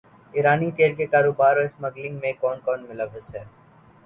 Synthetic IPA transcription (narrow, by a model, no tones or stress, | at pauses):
ɪɾaːnit̪eːlkekaːɾoːbaːɾoɪsmɐɡlɪ̃ŋɡmẽkɔːnkɔːnmʊləʋːəzɦɛː